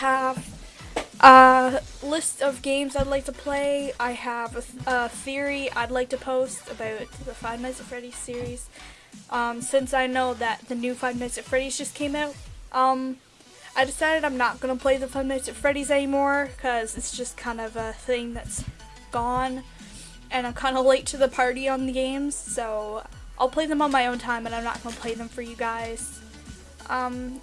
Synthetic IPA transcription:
əv | ʔʌlɪstʌvɡẽɪ̃mzaɪdˡlaɪk̚tʰəpʰl̥eɪaɪəvəəθɪɹia̰ɪdˡlaɪk̚tʰɨpʰoʊstɨbaʊt̪̚ðəfãɪ̃nnaɪsɨfɹɛɾiz̥sɪɹiz̥ | ʔʌ̃msɪ̃nsaɪnoʊðɨt̪̚ðɨnʉfãɪ̃nnaɪsɨtfɹɛɾizd͡ʒʌskʰẽɪ̃maʊt̚ʔʌ̃m | ʔaɪdɨsaɪɾɨɾãɪ̃mnət̚ɡ̥ʌnəpʰl̥eɪðɨfãɪ̃mnaɪtsɨtfɹɛɾizɛnimɔɹkʰʌzɨtsd̥ʒ̥ʌskʰãɪ̃ndʌvəθɪ̃ŋðɨts | ɡ̥ɔ̃n | ɨ̃naɪkʰãɪ̃ndəleɪtʰɨðəpʰɑɹɾiə̃nðɨɡẽɪ̃mz̥soʊ | ʔaɪlˠpʰl̥eɪðə̃mə̃nmaɪõʊ̃ntʰãɪ̃mə̃nãɪ̃mnə̰t̚ɡ̥ʌnəpʰl̥eɪðɨ̃ɱfə˞jɨɡaɪz̥ | ʔʌ̃m

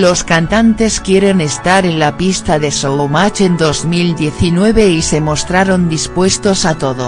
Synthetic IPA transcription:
lo̞skant̪ant̪e̞skje̞ɾe̞ne̞st̪aɾe̞nlapist̪aðe̞soomat͡ʃe̞nd̪o̞zmild̪je̞θinwe̞βe̞ise̞mo̞st̪ɾaɾo̞nd̪ispwe̞st̪o̞sat̪o̞ðo

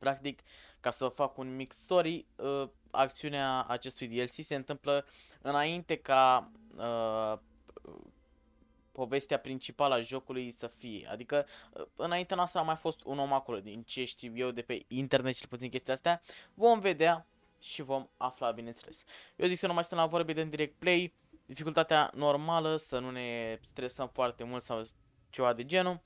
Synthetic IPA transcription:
pɾakt̪ikːasəfakunmikst̪o̞ɾiə | a̰k̚t̪siunea̰ːt͡ʃe̞st̪ujd̪ielsise̞nt̪ɨmplə | ɨnaint̪e̞kaə | po̞ve̞st̪eapɾint͡ʃipaləaʒo̞kulujsəfije̞̰a̰d̪ikə̰ɨnaint̪eanoast̪ɾəamajfo̞st̪ṵno̞mako̞lo̞d̪int͡ʃe̞ʃt̪iwje̞wd̪e̞pe̞int̪e̞rnet̪̚t͡ʃelput̪sinkʲe̞st̪ijaast̪eavo̞mve̞d̪ea | ʃivo̞maflabine̞nt̪sele̞sjowziksenumajit̪nlavo̞ɾbed̪eund̪iɾek̚t̪̚ple̞j | d̪ifikult̪at̪ea̰no̞rmaləsənune̞st̪ɾe̞səmfoart̪e̞mult̪saw | t͡ʃe̞vad̪e̞d͡ʒe̞nu

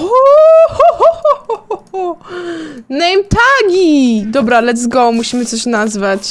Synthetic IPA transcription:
ɔ | nɛjmt̪aɡʲid̪ɔbɾalɛd̪zɡɔmuɕimɘt̪sɔɕnazvat͡ɕ

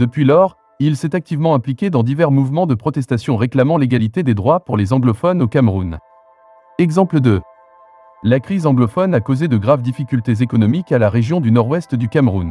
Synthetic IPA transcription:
d̪̥əpɥilɔʁ | ilsɛt̪ak̚t̪ivmɑ̃ɛ̃plikʲed̪ɑ̃d̪ivɛʁmuvmɑ̃d̪əpχɔt̪ɛst̪asjɔ̃ʁeklamɑ̃leɡalit̪ed̪ed̪ʁwapuʁlezɑ̃ɡlɔfɔnokamʁun | ɛɡzɑ̃pləd̪ə | lakχizɑ̃ɡlɔfɔnakozed̪əɡʁavd̪ifikʲylt̪ezekɔnɔmikalaʁeʒjɔ̃d̪ynɔʁwɛst̪d̪ykamʁun

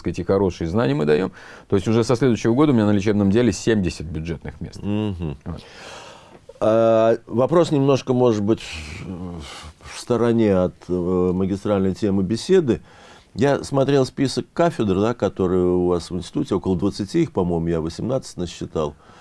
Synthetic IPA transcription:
skətʲɪxɐɾo̞ʂɨjəznanʲɪjəmɨd̪ɐjo̞̰m | t̪o̞ɪsʲtʲʊʐɛsɐsʲlʲed̪ʊɥɕːɪvəɡo̞d̪əʊmʲɪnʲanlʲɪt͡ɕebnəmdʲelʲɪsʲemʲdʲɪsʲət̪̚bʲʊdʐɛt̪nɨxmʲest̪̩ɦm̩ | avɐpɾo̞snʲɪmno̞ʂkəmo̞ʐɨt̪̚bɨtʲf | fst̪əɾɐnʲe̞ɐt̪məɡʲɪst̪ɾalʲnəjtʲemɨbʲɪsʲe̞d̪ɨ | jasmɐt̪ɾʲe̞lˠspʲisəkːafʲɪd̪rd̪akɐt̪o̞ɾɨjəʊvasvɨnʲsʲtʲɪ̥t̪utʲɪo̞kəlˠəd̪vət̪sɨtʲiixpɐmo̞jmʊjavəsʲɪmnat̪sə̥tʲnəɕːɪt̪alˠ

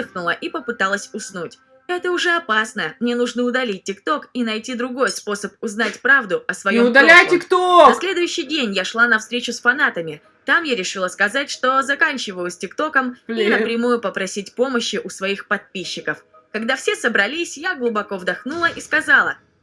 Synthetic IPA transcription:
xnʊlˠəʔipəpɨt̪alˠəsʲʊsnutʲ | ɛt̪əʊʐɛɐpasnəmnʲeɛnuʐnəʊd̪ɐlʲit̚ʲːɪkt̪o̞kinɐjtʲid̪ɾʊɡo̞jspo̞səp̚ʊznatʲpɾavd̪ʊɐsvɐjomʊd̪ɐlʲajtʲɪkt̪oɐsʲlʲe̞d̪ʊjʏɕːɪjdʲenʲjaʂlˠanɐfst̪ɾʲet͡ɕʊsfɐnat̪əmʲɪ | t̪amjaɾʲɪʂɨlˠəskɐzatʲʂt̪o̞zɐkanʲt͡ɕɪvəjʊsʲtʲɪkt̪o̞kəminəpɾʲɪmujʊpəpɾɐsʲitʲpo̞məɕːɪʔʊsvɐixpɐt̪̚pʲiɕːɪkəf | kɐɡd̪afsʲe̞səbɾɐlʲisʲjaɡlˠʊbɐko̞vd̪ɐxnulˠəʔiskɐzalˠə̰

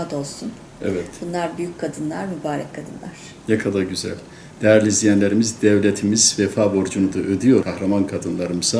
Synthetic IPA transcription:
ad̪olˠsun | ɛ̰vɛt̪bunlˠaɾbyjycʲkʰad̪ɯnlˠaɾmybaːɾɛ̰kkʰːad̪ɯnlˠa̰ɾ̥ | nakʰad̪ˠaɟyzæ̰lʲ | d̪̥ɛɾlʲizlʲijænlʲe̞ɾimizd̪ɛvlʲet̪ʰimizvɛfaːbo̞ɾd͡ʒunud̪aʔød̪yjo̞ɾkʰahɾamankʰad̪ɯnlˠaɾɯmɯz̥a

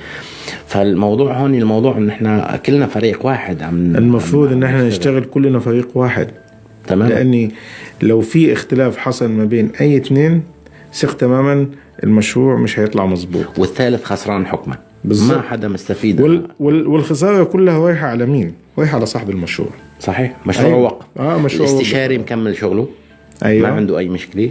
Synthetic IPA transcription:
falmɑwd̪ˤuːʕhoːnilmɑwd̪ˤuːʕʔɪnːʔɪħnakʊlːnafaɾiːqwaːħɪd̪ʕamʔɪlmafɾˤuːd̪ˤʔɪnːʔɪħnanɪʃt̪aɣɪlkʊlːnafaɾiːqwaːħɪ̰d̪ | t̪amaːlɪʔa̰nːilawfiʔɪxt̪ɪlaːfħɑsˤɑlmabeːnʔajːɪt̪neːn | sɪqt̪amaːman | ʔɪ̰lmaʃɾuːʕmɪʃhajɨt̪ˤlɑʕmɑzˤbṵːt̪ˤwɪθːaːlɪθxɑsˤɾˤɑːnħʊkma̰ | bɪzːmaħad̪amʊst̪afiːd̪wɪwɪwɪlxɪs̬ˤɑːɾˤɑkʊlːahawaːħaʕalamiːnwaːħʕalasˤɑːħbɪlmaʃɾṵːʕsˤɑħiːħmaʃʔauːʕwɑqʔaːmaʃlɾuʕɪst̪ɪʃɑːɾimkamːɪlʃʊɣlʊ | ʔajwmaaʕɪnd̪ʊʔajːmʊʃkɪli

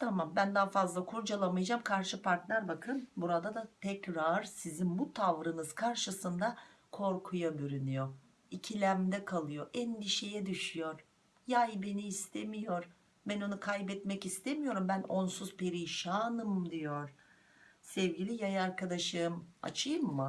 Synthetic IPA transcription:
t̪ʰamambænd̪afazlˠakʰuɾd͡ʒalˠamɯjad͡ʒamkʰaɾʃɯpʰaɾt̪lʲæɾbakʰɯnbuɾad̪ad̪at̪ʰɛcɾaɾ̥sizinbut̪ʰavɾɯnɯzkʰaɾʃɯsɯnd̪a | kʰo̞ɾkʰujabyɾynyjo | icʰilʲæmd̪ɛkʰalˠɯjo̞ʔɛnd̪iʃe̞jɛd̪yʃyjo̞ɾ̥ | jajbe̞niːst̪ʰemijo̞ɾ | bæno̞nukʰajbɛt̪mɛcist̪ʰemijo̞ɾumbæno̞nsuzpʰe̞ɾiʃaːnɯmd̪ijoɾ̥ | sɛvɟilʲijajaɾkad̪aʃɯːma̰t͡ʃʰɯjɯmːɯ

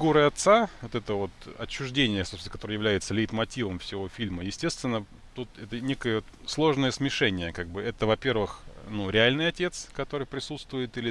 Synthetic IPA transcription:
ɡuɾɨɐt̪savot̪ɛt̪əvo̞t̪ɐt͡ɕːʊʐdʲenʲɪjəsop̪sʲnəkɐt̪oɾəjɪvlʲæjɪt̪səlʲɪɪt̪mɐtʲivəmfsʲɪvo̞fʲilʲməjɪsʲtʲest̪vʲɪnːə | t̪ut̪ɛt̪ənʲekəjə | slˠo̞ʐnəjəsmʲɪʂɛnʲɪjəkaɡ̚bɨɛt̪əvɐpʲe̞rvɨxnuɾʲɪalʲnɨjɐtʲe̞t̪skɐt̪o̞ɾɨjpɾʲɪsut̪st̪vʊjɪt̪ilʲɪ

